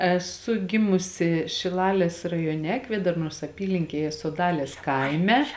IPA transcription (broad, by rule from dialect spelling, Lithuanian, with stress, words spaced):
ɛˈsʊ ˈɡʲɪmʊsʲɪ ʃʲɪˈlˠɑːlʲeːs rɐjoːˈnʲɛ ˈkʋʲeːdɐrnoːs ɐˈpʲiːlʲɪŋʲkʲeːjɛ soːˈdɑːlʲeːs ˈkɐɪmʲɛ